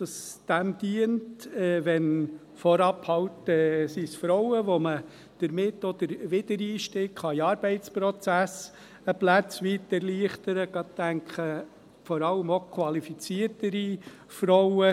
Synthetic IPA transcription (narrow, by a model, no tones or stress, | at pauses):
d̥ɑsd̥æmd̪̥iəntɛːʋɛn | fɔɾɑphɑwtɛsisfɾɔwəʋomə | d̥əɾmɪtːɔd̥̪əɾʋɪd̥əɾiːʃtɪkχɑiɑːɾb̥ɛɪtt͡spɾɔt͡sæs | əplæt͡sʋitːɛɾliəχtəɾəɡ̥ɑt̚tæŋkχə | fɔɾɑlːəmokʰwɑlifit͡siəɾtəɾi | fɾɔwə